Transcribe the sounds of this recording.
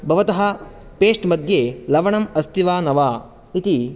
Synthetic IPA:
bʱɐʋɐt̪ɐɦɐ̆peːʂʈmɐd̪ʱjelɐʋɐɳɐmɐst̪ʰiʋaːnɐʋaː | it̪i

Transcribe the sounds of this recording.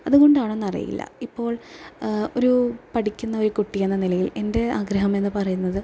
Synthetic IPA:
ɐðuɣo̞ɳɖaːɳonːɐrḭjḭlːɐ̰ipːo̞ːɭ | o̞ɾupɐʈikʲːunːɐo̞ɾukuʈːijenːɐnilɐjile̞nde̞aːɡɾɐɦɐme̞nːɨpɐrɐjunːɐðɨ

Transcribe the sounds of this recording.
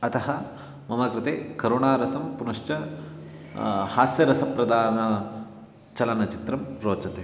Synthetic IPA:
ɐt̪ɐɦɐ | mɐmɐkɾɪt̪eːkɐɾoːɳaːɾɐsɐmpunɐʂt͡ʃɐ | haːsjɐɾɐsɐpɾɐd̪aːɐnɐ | t͡ʃɐlɐnɐt͡ʃit̪ɾɐmɾoːt͡ʃɐt̪e

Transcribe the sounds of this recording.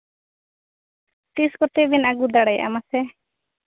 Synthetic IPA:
t̪iskɔt̪ebinaɡud̪aɽɛja̰ʔa̰masɛ

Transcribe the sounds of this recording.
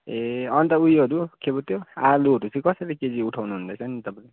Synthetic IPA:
eʌnt̪ʌujʌɾukʰebot̪ʰjoaluɦʌɾut͡sʰĩkʌsʌliked͡ziuʈʰawnuɦund̪ʌjt͡sʰʌnit̪ʌpãl

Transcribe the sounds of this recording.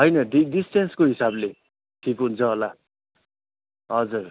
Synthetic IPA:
ɦʌjnʌɖiɖisʈenskoɦisable | ʈʰikɦunt͡sʰʌɦola | ɦʌd͡zur

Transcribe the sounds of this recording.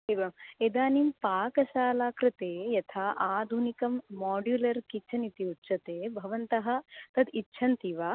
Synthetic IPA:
iʋɐmed̪aːnimpaːkɐʃaːlaːkɾɪt̪eːjɐt̪ʰaːʔaːd̪ʱunikɐmːaːɖjulɐɾkitːt͡ʃʰɐnit̪iutːʃʰɐt̪eːbʱɐʋɐnt̪ɐɦɐ̆t̪ɐd̪itːʃʰɐnt̪iʋaː

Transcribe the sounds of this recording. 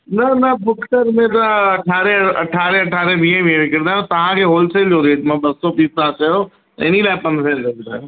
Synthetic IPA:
nɐnɐbʊkʈəɾmẽt̪̬ɐɐʈʰaːɾeɐ̰ʈʰaːɾẽɐʈʰaːɾẽʋĩːẽʋiẽʋɪkɪɾ̃naːõt̪ɐʋ̤ãkʰeːɦoːlseld͡ʒoːd̪eːtmãbɐsːopiːsãt͡ʃɐjo | t̪ɐ̰ɪnilaːɪpɐ̃nd̪sẽnd͡ʒobt̪ã

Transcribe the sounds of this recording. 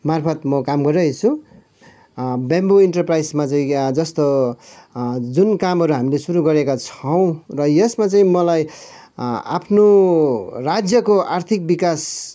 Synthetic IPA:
marpʰʌt̪mʌkamɡʌɾʌet͡sʰu | bamboiɳʈʌrprajsmat͡saĩd͡zʌst̪o | d͡zunkamɦʌɾuɦamilesuɾuɡʌɾekat͡sʰʌw̃rʌjesmat͡saĩmʌlaj | a̰pʰno | rad͡zjʌkoʔart̪ʰik̚bikas

